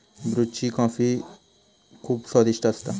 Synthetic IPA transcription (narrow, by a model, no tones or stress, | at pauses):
bɾut͡ʃikãːfi | kʰuːbsɔd̪iʃʈəst̪a